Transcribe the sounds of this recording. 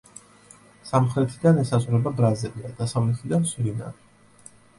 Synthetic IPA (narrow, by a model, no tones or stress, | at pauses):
samχɾɛt̪ʰid̪anɛsazʁɾɛbabɾazɛbiad̪asavlɛt̪ʰid̪ansɾina̰